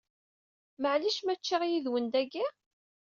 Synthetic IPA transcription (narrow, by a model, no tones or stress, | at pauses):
məʕliʃmæt͡ʃːiʁjiðwənd̪æɡi